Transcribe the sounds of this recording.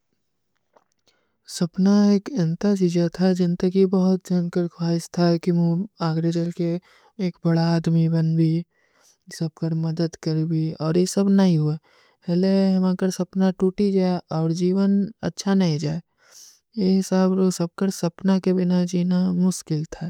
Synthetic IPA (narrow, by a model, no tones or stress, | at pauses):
sɐpnaeːkɐ̃nt̪ad͡ʒiːd͡ʒat̪ʰad͡ʒɪnt̪əkibɐɦʊt̪̚d͡ʒaːnkəɾkʰwaːɪst̪ʰakimũaːɡɾed͡ʒəlkeː | kbɐɽaːd̪mibɐnbi | sɐb̚kəɾmɐd̪əd̪kəɾbiɔːɾjesɐbnɐɦĩɦua | ɛːlejɐmãːkəɾsɐpnaʈuːʈid͡ʒaːeɔːɾd͡ʒiːʋənɐ̰tːʃʰanɐɦĩd͡ʒaːe | jeɦɪsaːbsɐb̚kəɾsɐpnakebɪnad͡ʒiːnamʊʃkɪlt̪ʰa